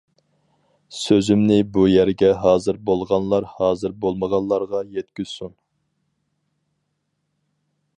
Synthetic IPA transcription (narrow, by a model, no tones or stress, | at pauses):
søzymnɪbujæɾɡʲɛɦɑːzɨɾbolˠʁɑnlˠɑɾhɑːzɨɾbolˠməʁɑnlˠɑɾʁɑjɛt̪kʲyz̥sun